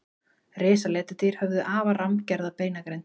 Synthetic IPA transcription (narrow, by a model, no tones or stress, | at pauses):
reːsalɛːt̪at̪iɾ̥hɛvðʏʔaːvaramcɛɾðapeːjnakɾejn